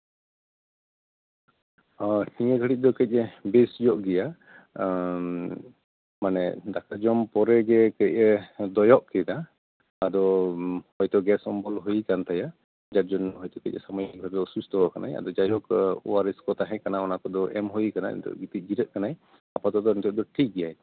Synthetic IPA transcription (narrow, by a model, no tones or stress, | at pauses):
hiŋɛɡʱəɽit̪̚ˀd̪ɔkəc̚ˀɛbesd͡ʒɔʔɡɛja | manɛ̰d̪akad͡ʒɔmpɔɾɛɡɛkəc̚ɛd̪ɔjɔʔkɛd̪aː | d̪ɔhɔjt̪ɔɡɛsɔmbɔlɦujikant̪aja | d͡ʒaɾ̚d͡ʒɔnɦɔjt̪ɔkɛc̚ˀɛ̰samɔjik̚bʱabɔusust̪ɔwakana̰ja̰d̪ɔd͡ʒajɔkwaɾɛskɔt̪aɦɛ̃kanaɔnakɔd̪ɔʔɛ̰mɦuikana̰ḭnt̪ʰɔ̰ʔɡit̪iˀd͡ʒiɾəʔ̪̚kanaj | apat̪ɔd̪ɔnit̪ɔʔ̚d̪ɔʈʰik̚ɡɛjaj